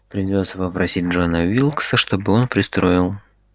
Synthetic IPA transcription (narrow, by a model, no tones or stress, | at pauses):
pɾʲɪdʲo̞t̪səpəpɾɐsʲit̚ʲʐonəvʲilˠksəʂt̪o̞bɨo̞npɾʲɪst̪ɾo̞ɪlˠ